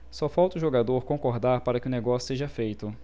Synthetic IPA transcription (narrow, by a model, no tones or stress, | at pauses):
sɔfawt̪ʊʒoɡad̪oɾkõŋkoɾd̪aɾpaɾɐkɪʊneɡɔsjʊseʒɐfejt̪ʊ